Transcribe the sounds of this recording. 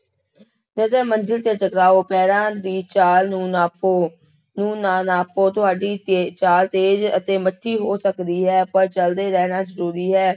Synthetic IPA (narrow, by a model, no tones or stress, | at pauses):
nəzɛːmənd͡ʒɪlt̪eːʈəkɾaːoːpɛːɾãːd̪iːt͡ʃaːlũːnaːoː | nũːnãːnaːpoːt̪ʊɦaːɖiːt̪et͡ʃaːlt̪eːd͡ʒət̪eːməʈʰːiːɦoːsəkd̪iːɦɛːpəɾt͡ʃəld̪eːɾɛːnaːzəɾuːɾiːɦɛː